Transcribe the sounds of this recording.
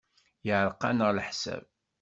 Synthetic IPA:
jəʕɾˤqːɑnəʁlħsæ̰b̚

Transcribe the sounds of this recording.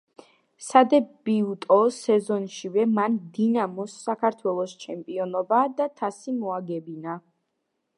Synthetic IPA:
sad̪ɛbiut̪ʼɔsɛzɔnʃivɛmand̪inamɔsːakʰaɾt̪ʰwɛlˠɔst͡ʃʰɛmpʼiɔnɔbad̪at̪ʰasimɔaɡɛbina

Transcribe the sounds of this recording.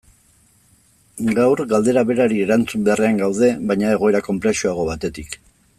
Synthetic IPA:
ɡawɾɡald̪e̞ɾaβe̞ɾaɾie̞ɾant͡sumbe̞areaŋɡawð̞e̞βajɲae̞ɣ̞o̞e̞ɾako̞mpɾe̞suaɣ̞o̞βat̪e̞t̪ik

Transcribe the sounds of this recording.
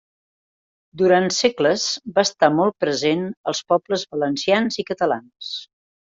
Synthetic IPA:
d̪uɾansɛkləz̥baːst̪amɔlˠt̪̚pɾəzenəlˠspɔbləzβələnsianzikət̪əla̰ns

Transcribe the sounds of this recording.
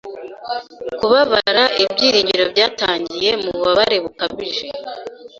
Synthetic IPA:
kuβaβaɾaʔibɟiːɾiːɲɟiɾo̞bɟaːtaːɲɟije̞muβuβaβaɾe̞βukaβiʒe̞

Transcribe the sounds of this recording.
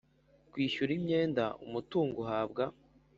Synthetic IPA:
kwiːʃuɾimɲe̞ːnda̰ṵmutuːŋɡoɦaːbɡa

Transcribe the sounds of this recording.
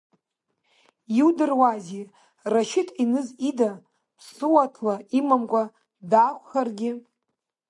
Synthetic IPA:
iwdɨrwazi | raʃɪtʰʼinɨzida | pʰsɨwatʰlaimamkʷʼa | daχʷʰʼχarɡʲɪ

